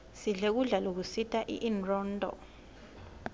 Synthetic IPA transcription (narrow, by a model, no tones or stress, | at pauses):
siɮek̬uɮalok̬usitʰʼaʔḭʔinrɔːndʱʼɔ̰